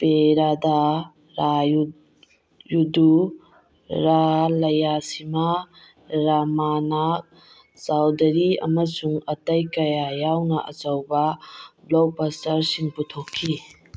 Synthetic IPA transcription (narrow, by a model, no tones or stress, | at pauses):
peɾada | ɾʔaju | judu | ɾalɐjasima | ɾamanak̚ | sawdɐɾiɐ̰mɐsuŋɐtɐjkɐjajawnɐʔɐzɐwbɐblok̚pɐstɐɾsiŋputʰokʰːi